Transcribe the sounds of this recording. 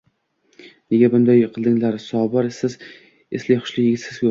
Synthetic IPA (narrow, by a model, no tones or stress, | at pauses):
ne̞ɡʲabʊnd̪ajqʰɨlˠd̪ɪŋlaɾsɒbɒɾsɪz | eslɪjχʊ̥ʃlɪjɪɡʲɪt̪sɪz̥kʰɵ